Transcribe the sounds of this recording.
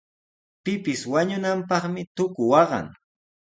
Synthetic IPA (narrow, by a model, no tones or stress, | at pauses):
pɪpɪswaɲʊnampɑχmɪt̪ʊkʊwɑɢɑ̰ŋ